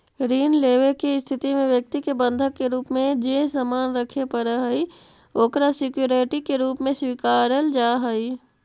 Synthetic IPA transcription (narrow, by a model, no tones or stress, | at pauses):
ɾiːnleːʋekeɪst̪ʰɪt̪imẽʋjək̚t̪ikebə̃nd̪ʱəkːeɾuːpmẽd͡ʒeːsamaːnɾəkʰepəɾəɦəi | oːkɾasɪkjuɾeʈikeɾuːpmẽswikaːɾəld͡ʒaːɦəi